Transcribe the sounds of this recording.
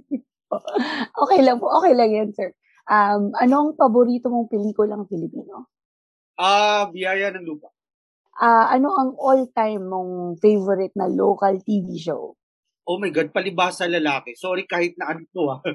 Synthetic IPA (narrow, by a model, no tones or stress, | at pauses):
ʔoːkɛjlɐŋpoʔoːkɛjlɐŋjɐnsɛɹ | ʔɐmɐno̞ɐŋfɐboɾiːt̪o̞mo̞ŋpɛliːkʊlɐŋfɪlɪpiːno | ʔabɪjaːjɐnɐŋluːpɐʔ | ʔaʔɐno̞ʔɐŋʔolt̪ajmːoŋfejvoɾɪt̪̚nɐloːkɐlt̪iːviːʃo̰w | ʔomɐjɡad̪̚pɐlɪbaːsɐlɐlaːkɛsoːɾikaːhɪt̪̚nɐʔɐnɪt̪oa